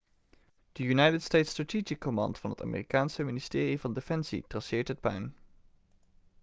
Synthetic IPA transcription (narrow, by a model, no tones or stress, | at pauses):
d̥əjunɑjtətstejtstratiːd͡ʒikːomɑ̰ntfɑnɦəta̰ːmɪ̰ːrikaːnsəmɪnistɪːrivɑndefɛnsḭtrɑsɪːɹtət̚pɛ̰n